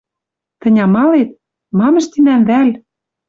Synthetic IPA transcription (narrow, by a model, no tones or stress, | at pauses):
t̪ə̆nʲɑmɑlet̪̚ | mɑmə̆ʃt̪inænβæl